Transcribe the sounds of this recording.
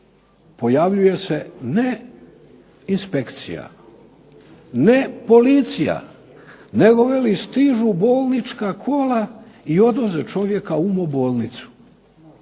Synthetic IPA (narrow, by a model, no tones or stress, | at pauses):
po̞jaʋʎuje̞sene | inspe̞kt̪sḭja̰ | nepo̞lit̪sija̰ | neɡo̞ʋelist̪iʒubo̞ːlˠnit͡ʃkakʰo̞ːlaio̞d̪ʋozet͡ʃo̞ʋje̞kaumobo̞ːlˠnit̪su̥